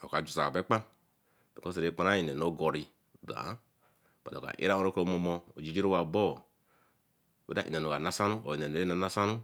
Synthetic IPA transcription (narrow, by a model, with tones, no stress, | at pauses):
o˨ka˨d͡ʒu˨sa˨be˦k͡pa˦n | b̥e˨ko˦se˨ɾe˦k͡pa˦na˦i˨ne˨no˦ɡo˨ɾi˨ | da̰˨˦˨ | ba˨a̰˨a̰˨ʔḭ˦ɾa˦o˦ɾo˦ko˦mo˦˨mo˦o˨d͡ʒi˨˦d͡ʒi˦ɾo˦wa˨bo˦˨ | bḛ˨˦da˦˨ʔḭ˨ne˨no˨ka˨na˦sa˦nu˦o̰˨i˨ne˨ne˨ɾe˦na˨na˦sa˦nu˦